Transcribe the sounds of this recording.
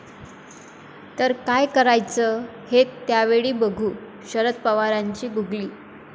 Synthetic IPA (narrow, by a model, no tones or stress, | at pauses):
t̪əɾkajkəɾajt͡sə | het̪ːjaʋeɭiːbəɡʱuː | ɕəɾət̪̚pəʋaɾaɲt͡ɕiːɡuɡliː